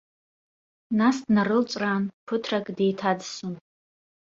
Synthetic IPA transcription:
nasdnaɾɨlt͡ʃʷʼranpʰɨtʰrakʼde̞jtʰadsun

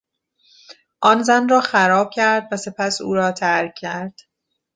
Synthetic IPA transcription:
ʔɒːnzænrɒːxæɾɒːb̚cʰæɾd̪væse̞pʰæsuːɾɒːt̪ʰæɾcʰːæɾd̪̥

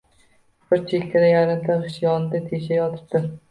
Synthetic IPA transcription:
b̥ɪɾt͡ʃʰekʲk̪ʰʲad̪ajaɾɪmt̪ʰaɪʃjɒnɪd̪at̪ʰeʃajɒt̪ʰɪ̥p̚d̪ɪ

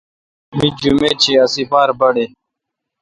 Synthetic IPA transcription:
mĩd͡ʑumeːt͡ɕʰiɐsipaːɾbɐɽeː

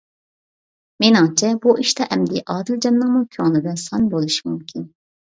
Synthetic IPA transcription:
menɑŋt͡ʃʰɛbuʔiʃt̪ɑʔɛmd̪ɪʔɑːd̪ɨld͡ʒɑnːɨŋmukʲʰøŋlˠɨd̪ɨnsɑnbolˠuʃi̥mumkʲʰin

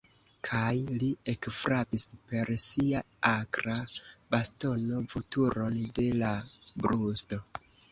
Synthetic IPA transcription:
kʰajliekfɾapispe̞ɾsia | akɾabasto̞no̞vutuɾo̞nde̞labɾusto̞

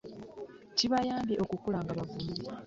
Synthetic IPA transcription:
ciβajaːmbjeʔo̞kukulaːŋɡaβavuiɾiɾe

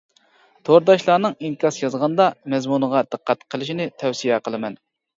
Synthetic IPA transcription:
t̪ʰoɾd̪ɑʃlˠɑːnɨŋiŋkʰɑsjɑzʁɑnd̪ɑmɛzmunəʁɑd̪̥ɨqʰːæt̪qʰəlˠɪʃinɪt̪ʰɛwsijɛqʰəlˠɨmɛn

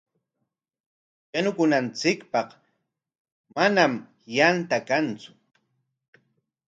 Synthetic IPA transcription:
janʊkʊnant͡sɪkpɑq | manam | jant̪akant͡sʊ̥

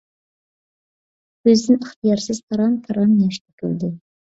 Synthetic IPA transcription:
ɵzd̪ɪŋəχt̪ijɑɾsɪzt̪ʰɑɾɑnt̪ʰɑɾɑnːeʃt̪ʰɪ̥kʲɪld̪ɪ

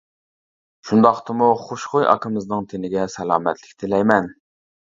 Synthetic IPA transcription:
ʃund̪ɑχt̪ɨmuχoʃχojʔɑ̰kʰəmɨznɨŋt̪ʰenɪɡʲɛsɛlˠɑːmɛt̪ʰlɪkʲt̪ʰɪlɛjmɛn

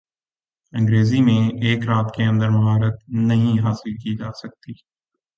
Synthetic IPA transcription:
ə̃ŋɡɾeːzimẽeːkɾaːt̪keə̃nd̪əɾmɐɦaːɾət̪̚nɐɦĩɦaːsɪlkid͡ʒaːsɐk̚t̪iː

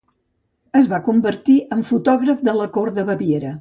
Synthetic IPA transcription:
əzβakumbəɾt̪iʔəɱfut̪ɔɣɾəfd̪ələkoɾðəβəβieɾə

